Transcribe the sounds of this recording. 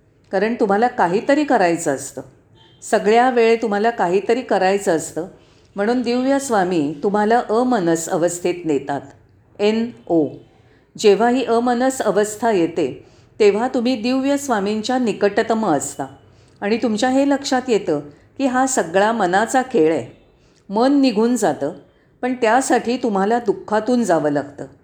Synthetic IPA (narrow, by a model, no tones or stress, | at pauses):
kaɾəɳt̪um̤alakaɦiːt̪əɾiːkəɾajt͡səːst̪əː | səɡɭjaʋeɭet̪um̤alakaɦiːt̪əɾiːkəɾajt͡səːst̪əː | m̤əɽ̃uːnd̪iwjəsʋamiːt̪um̤alaʔəmənəsəʋəst̪ʰit̪net̪at̪ | eno | d͡ʑeʋ̤aɦiːʔəmənəsəʋəst̪ʰajet̪e | t̪eʋ̤at̪um̤iːd̪iʋjəsʋamiɲt͡ɕjanikəʈt̪məəst̪aː | ɽ̃it̪umt͡ɕjaɦeləkʂat̪jet̪əː | kiːɦasəɡɭamənat͡sakeɭe | mənːiɡʱuːnd͡zat̪əː | pəɳt̪jasaʈʰiːt̪um̤alad̪ukʰːat̪uːnd͡zaʋəlaɡ̚t̪əː